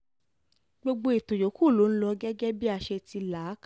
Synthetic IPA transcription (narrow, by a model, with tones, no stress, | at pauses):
ɡ͡bo˧ɡ͡bo˧i˨tõ˨jo˨˦ku˦˨lo˨˦n̩˦lɔ˧ɡɛ˦ɡɛ˦bi˦a˦˨ʃe˧ti˧laː˨˦k